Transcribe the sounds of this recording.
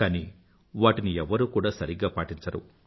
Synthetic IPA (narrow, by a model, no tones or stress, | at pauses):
kaːni | ʋaːʈiniɛʋːɐɾukuːɽaːsɐɾiɡaːpaːʈiɲt͡ʃɐɾṵ